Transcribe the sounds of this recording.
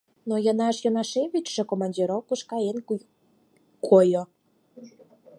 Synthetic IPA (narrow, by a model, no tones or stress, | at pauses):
nojənɑʃjonɑʃeβʲit͡ɕʃĕkomɑnʲdʲiɾowkuʃkɑen | kʰojo